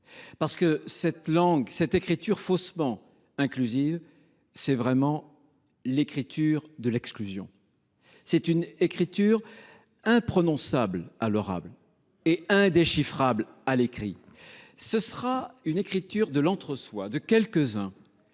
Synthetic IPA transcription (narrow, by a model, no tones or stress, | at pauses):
paʁsə̥kəsɛt̪lɑ̃ɡsɛt̪ekχit̪yʁfosmɑ̃ | ɛ̃klyziv | sɛvʁɛmɑ̃ | lekχit̪yʁd̪əlɛksklyzjɔ̰̃ | sɛt̪ynekχit̪yʁ | ɛ̃pχɔnɔ̃sablalɔʁa̰bl | eɛ̃d̪eʃifχablalekχḭ | səsəʁaynekχit̪yʁd̪əlɑ̃t̪χəswad̪əkʲɛlkəzɛ̃